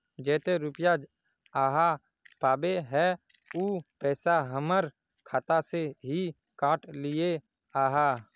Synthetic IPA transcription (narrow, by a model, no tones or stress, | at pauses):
d͡ʒɛːt̪eɾʊpjad͡ʒ | aːɦa | paːbeɦɛ | uːpɛːsaɦəməɾ | kʰaːt̪aseɦi | kaːʈlɪje | aːɦaː